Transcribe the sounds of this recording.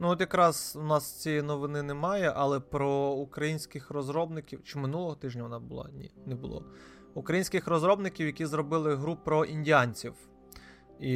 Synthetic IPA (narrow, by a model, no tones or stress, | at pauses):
nuɔt̪jɐkɾɑzunɑst͡sʲijnɔʋɪnɪnɛmɑjɛʔɐlˠɛpɾɔukɾɐjinʲsʲkɪxrɔzɾɔbnɪkʲiwt͡ʃɪmɪnulˠɔɦɔt̪ɪʒnʲɐʋɔnɑbʊlˠɑ̰nʲḭnɛbʊlˠɔ̰ | ukɾɐjinʲsʲkɪxrɔzɾɔbnɪkʲiwjɐkʲizɾɔbɪlˠɪɦɾupɾɔʔinʲdʲijanʲt͡sʲiw | i